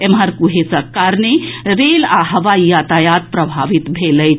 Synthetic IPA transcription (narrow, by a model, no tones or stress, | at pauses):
emɦəɾkuɦesəkːaɾneɾelaɦəʋaijat̪ajat̪̚pɾəbʱaʋit̪bʱeləj